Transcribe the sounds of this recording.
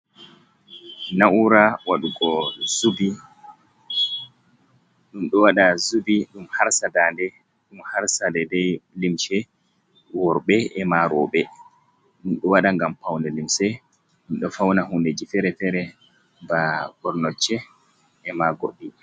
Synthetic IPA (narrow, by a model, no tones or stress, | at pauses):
naʔuɾawaɗuɡɔzubi | ɗumɗɔwaɗazubiɗumhaɾsadandɛ | ɗumhaɾsadɛdɛjlimʃɛ | wɔɾɓɛɛmaɾɔɓɛ | ɗumɗɔwaɗaŋɡampawnɛlimsɛ | ɗumɗɔfawnaɦunded͡ʒifɛɾɛfɛɾɛ | baɡɔɾnɔt͡ʃːɛ | ɛmaɡoɗːi